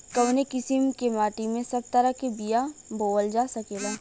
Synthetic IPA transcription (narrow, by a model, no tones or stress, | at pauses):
kɐwnekɪsimkemaːʈimẽsɐb̚t̪ɐɾakebijaboːəld͡ʒaːsɐkeːlaː